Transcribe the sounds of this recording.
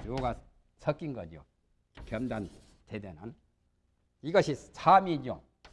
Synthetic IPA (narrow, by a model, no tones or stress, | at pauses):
t͡ɕoɡa | sʰʌk͈inɡʌ̰d͡ʑjo̰ | kjʌmdantʰedenɯn | iɡʌɕʰisʰamiɲo